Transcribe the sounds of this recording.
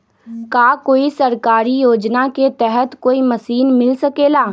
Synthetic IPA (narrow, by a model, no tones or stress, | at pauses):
kaːkoːisɐɾkaːɾijoːd͡ʒnaket̪ɛɦɛt̪koːimɐsiːnmɪlsɐkeːlaː